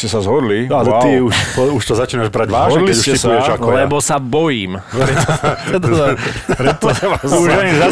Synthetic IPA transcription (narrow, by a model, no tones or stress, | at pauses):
cɛsazɦɔd̪lialɛt̪iuʃpɔuʃt̪ɔzat͡ʃiːnaʒbɾaɟʋaːʒɦɔɛd̪liscɛisaɛt͡ʃakɔlɛbɔsabɔjiːmɾɛɛt̪ːɔzpɾɛt̪ːɔaʋazuʒaiza